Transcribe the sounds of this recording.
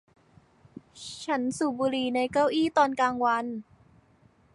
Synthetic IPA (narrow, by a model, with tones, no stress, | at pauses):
t͡ɕʰa˦˥nsuː˨˩buː˧ɾiː˧˩na˧jkaː˥˩wʔiː˥˩t̪ɔː˧nkaː˧ŋwa˧n